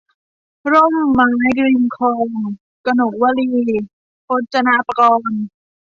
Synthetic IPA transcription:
ɾo˥˩mːaː˦˥jkɾi˧nkʰɔː˧ŋ | ka˧no˨˩wa˧liː˧ | ʔo˦˥t̪̚t͡ɕa˧na˧˥pa˧kɔː˧n

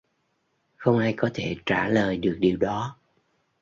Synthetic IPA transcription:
xə˧wŋ͡mʔaː˧jkɔ˨˦t̪ʰe˧˩t͡ɕaː˧˩ləː˨˩jɗɨ˨˩ək̚ɗi˨˩əwɗɔ˨˦

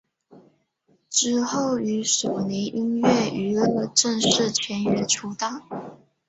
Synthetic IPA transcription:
ʈ͡ʂɻ̩˥xo˥˩ʊy˧˥so˨˩ni˧˥ŋʔi˥nɥɛ˥˩ʔy˧˥ɤ˥˧˩ʈ͡ʂə˥˧ŋʂɻ̩˥˩t͡ɕʰɥɛ˧˥nɥɛ˧˥ʈ͡ʂʰu˧˥t̪a˥˩

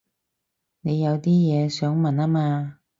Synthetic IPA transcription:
ne˨˧jɐ˨˧wt̪iː˥jɛː˨˧sœː˨˥ŋmɐ˨naː˥maː˧

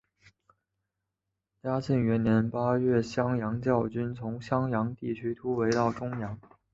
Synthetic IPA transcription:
t͡ɕja˥t͡ɕʰi˥˩ŋɥɛ˧˥nnjɛ˧˥npa˥ɥɛ˥˩ɕjɑ˥ŋjɑ˧˥ŋt͡ɕjɑ˥˩ʊt͡ɕy˥nt͡sʰʊ˧˥ŋɕjɑ˥ŋjɑ˧˥ŋt̪i˥˩t͡ɕʰy˥t̪ʰu˥we˧˥ɪt̪ɑ˥˩ʊʈ͡ʂʊ˥ŋjɑ˧˥ŋ

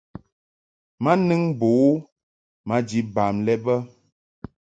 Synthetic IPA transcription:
ma˦nɨ˦ŋbo˨˦ | ma˦d͡ʒi˨ba˨mlɛ˦bə˦

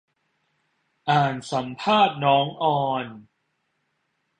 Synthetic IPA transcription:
ʔaː˨˩nsa˩˦mpʰaː˥˩t̪̚nɔː˦˥ŋʔɔː˧n

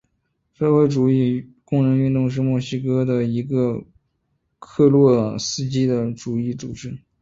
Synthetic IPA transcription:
ʂɤ˥˧we˥ɪʈ͡ʂu˨˩i˥˩kʊ˥˧ŋɻə˧˥ŋy˥˧nt̪ʊ˥˧ŋʂ̬ɻ̩˥˧mwɔ˥˩ɕi˥kɤ˥d̪ə˨i˧˥ɡə˧ | kʰɤ˥˧lwɔ˥˩sɹ̩˥˧t͡ɕi˥d̪ə˨ʈ͡ʂu˨˩i˥˩t͡su˨˩ʈ͡ʂɻ̩˥

